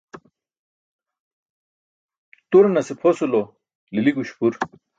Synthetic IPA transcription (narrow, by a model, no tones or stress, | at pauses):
t̪uɾnɐsipʰosulo | liliɡuɕpuɾ